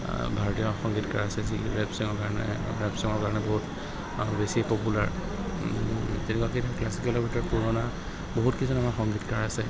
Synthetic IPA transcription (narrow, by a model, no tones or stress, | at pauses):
bʱaɹɔtijɔxɔŋɡitkaɹasɛziɹɛbsiŋɔkaɹɔnɛ̰ɹɛbsiŋɔɹkaɹɔnɛbɔɦut | besipɔpulaɹ | tɛnɛkwaketklasikɛlɔbʱitɔɹkuɹɔna | boɦutkizɔnamaxɔŋɡitkaɹasɛ